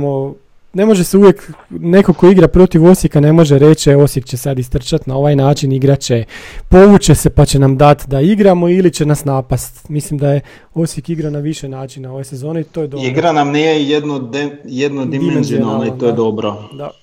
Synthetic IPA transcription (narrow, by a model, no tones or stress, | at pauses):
mo | ne̞mo̞ʒeseuʋjekne̞ko̞koiɡɾapɾo̞t̪iʋo̞sjekane̞mo̞ʒeɾe̞t͡ʃeo̞sjekt͡ɕesead̪ist̪r̩t͡ʃat̪nao̞ʋajnaːt͡ʃiniɡɾat͡ʃepo̞ʋut͡ɕese̞pat͡ɕe̞namd̪at̪d̪aiɡɾamo̞ilit͡ɕenasnaːpast̪mislimd̪aje | o̞sjekiɡɾanaʋiʃenaːt͡ʃinao̞ʋejsezo̞ːneit̪ojed̪oiɡɾanamnijejed̪nod̪jed̪nod̪imimenziianait̪ojed̪obɾod̪a